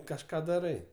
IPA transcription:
kɐʃˈkɑː dɐˈrɐɪ

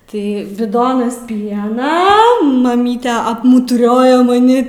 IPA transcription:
ˈtɐɪ bʲɪˈdoːnɐs ˈpʲiɛnɐ mɐˈmʲiːtʲɛ ɐpmʊtʊˈrʲoːjɛ mɐˈnʲɪ

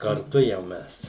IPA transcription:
kɐrˈtʊ jɛʊ ˈmʲɛs

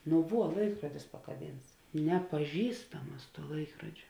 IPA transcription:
nʊ ˈʋuɔ ˈlˠɐɪkruɔdʲɪs pɐkɐˈbʲiːnts nʲɛpɐˈʒʲiːstɐm ˈmɐs ˈlˠɐɪkroːd͡ʒʲoː

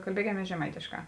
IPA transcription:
kɐlʲˈbʲiɛkʲɛmʲiɛs ʒʲɛˈmɐɪtʲeːʃˌkɑː

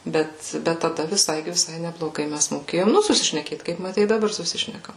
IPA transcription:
ˈbʲɛt ˈbʲɛt tɐˈdɐ ʋʲɪˈsɐɪ ʋʲɪˈsɐɪ nʲɛblˠoːˈɡɐɪ ˈmʲɛs moːˈkʲeːjoːm ˈnʊ sʊsʲɪʃʲnʲɛˈkʲeːt kɐɪp mɐˈtʲɛɪ ɪ dɐˈbɐr sʊˈsʲɪʃʲnʲɛkɐm

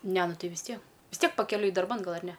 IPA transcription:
ˈnʲɛ ˈnʊ ˈtɐɪ ʋʲɪs ˈtʲiɛ ʋʲɪs ˈtʲiɛk pɐkʲɛˈlʲʊɪ dɐrˈbɐn ˈɡɐlˠ ɐr ˈnʲɛ

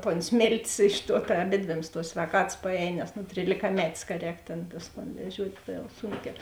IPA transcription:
toːn ˈsʲmʲeːlʲtʲeːs ˈɪʃ ˌtuɔ tɐ ɐˈbʲeːdʲʋʲeːms tuɔs sʲʋʲɛːˈkɑːtɐs pɐˈɛːj nʲɛs nʊ tʲrʲiːlʲɪkɐˈmʲæːtʲeːs kɐ ˈrʲɛːk tʲeːn ˈtʊs toːn ʋʲɛˈʒʲuɔtʲ ˈtɐ jɛʊ ˈsuːŋʲkʲæː

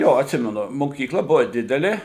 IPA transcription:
joː ɐtʲˈsʲɪmʲɛnʊ moːkʲiːkˈlˠɐ ˈbʊʋɐ ˈdʲɪdʲɛlʲeː

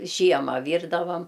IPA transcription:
ˈʒʲiɛmɐ ˈʋʲiːrdɐʋɐm

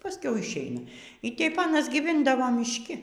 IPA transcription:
pɐˈsʲkʲɛʊ ɪʃʲˈɛɪnɐ iː ˈtʲɛp ˈɑːnɐs ɡʲiːˈʋʲɪndɐʋoː mʲɪʃʲˈkʲɪ

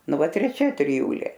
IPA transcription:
ˈnʊ ˈʋɐt tʲrʲɛˈt͡ʃʲɛ tʲrʲɪˈjuːlʲeː

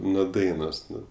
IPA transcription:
nuɔ ˈdɐɪnoːs ˈnʊ

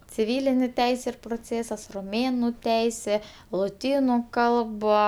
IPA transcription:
t͡sʲɪˈʋʲiːlʲɪnʲeː ˈtʲɛɪsʲeː ɪr proːˈt͡sʲeːsɐs roːˈmʲeːnʊ ˈtʲɛɪsʲeː lˠoːˈtʲiːnʊ ˈkɐlˠbɐ

